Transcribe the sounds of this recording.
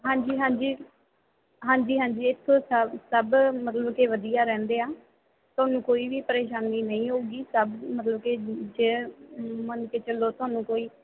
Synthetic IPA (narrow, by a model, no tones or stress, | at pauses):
ɦãːɲd͡ʒiːɦãːɲd͡ʒiː | ɦãːɲd͡ʒiːɦãːɲd͡ʒiːɪt̪ʰːoːsəsəbmət̪ləbkeːʋəd̪ijaːɾɛ̃ːnd̪eːaː | t̪ʊaːnũːkoːiːʋiːpəɾeːʃaːniːnəĩːɦouːɡiːsəbmət̪ləbked͡ʒeːmənkeːt͡ʃəloːt̪ʊaːnũːkoːiː